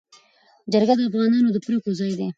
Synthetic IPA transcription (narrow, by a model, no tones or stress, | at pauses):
d͡ʒaɾɡad̪əafɣɑnɑnod̪əpɾekozɑjd̪e